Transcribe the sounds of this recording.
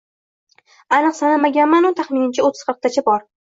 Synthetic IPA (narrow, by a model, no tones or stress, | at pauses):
anɨqsanamaɡʲanmanʊt̪ʰaχmɪnɪnt͡ʃʰaot̪ʰːɪ̥z̥qʰəɾq̚t̪ʰat͡ʃʰabɒɾ